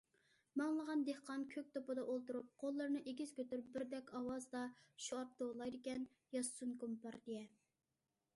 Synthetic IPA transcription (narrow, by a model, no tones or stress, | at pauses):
mɑŋlˠəʁɑnd̪ehqɑnkʲʰøk̚ʲt̪opɨd̪ɑʔolˠt̪uɾup̚qʰolˠːəɾnɨʔeɡʲiz̥kʲøt̪yɾyp̚bɪɾd̪ɛkʲɑwɑzd̪ɑʃuɑp̚t̪olˠɑjd̪ɪkʲɛn | jɑssunkumpɑɾd̪ejɛ